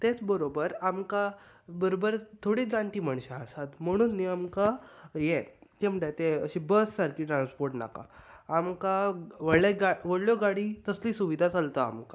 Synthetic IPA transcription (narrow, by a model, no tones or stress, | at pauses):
t̪et͡sbəɾobəɾamka | bəɾobəɾt̪ʰoɽiːd͡zaɳʈ̪iːmaɳ̃ɕaəsat̪m̤əɽ̃uːnːiamkajekem̤əʈat̪eəɕibəsːaɾkiːʈɾanspoɾʈna̰ka̰ːmkaʋəeɡaʋəɽɭjɔɡaɽiːt̪əsliːsuʋid̪ʱat͡salt̪a̰ːmka